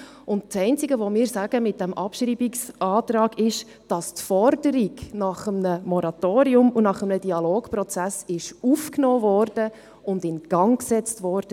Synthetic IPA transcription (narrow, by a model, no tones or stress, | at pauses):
ʊnt̚sɛɪnt͡siɡəʋomɪːɾsæɡ̥əmɪt̚d̥ɛmʔɑpʃriːbiksʔɑːtɾɑːɡɪʃ | d̥ɑstfɔɾdəɾiɡnɑχəmnəmɔɾɑt̪oːɾiʊmunɑχəmnəd̥iɑloːɡprɔt͡sæsɪʃufknoːvɔɾd̥ə | ʊndɪnɡ̥ɑŋksɛt͡stʋɔːɾd̥ə